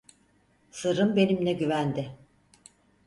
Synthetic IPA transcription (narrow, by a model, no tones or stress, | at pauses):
sɯɾɯmbe̞nimlʲɛɟyvænd̪ɪ